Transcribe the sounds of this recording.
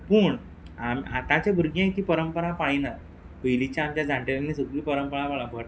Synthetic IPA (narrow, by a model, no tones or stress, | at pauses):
puːɳ | amiat̪at͡ɕebʱuɾɡãit̪iːpəɾəmpəɾapaɽinaɾ | pəjlit͡ɕjaːmt͡ɕjad͡zãɳʈeleɡnisəɡɾiːpəɾəmpəɭãpaɭabʱəʈ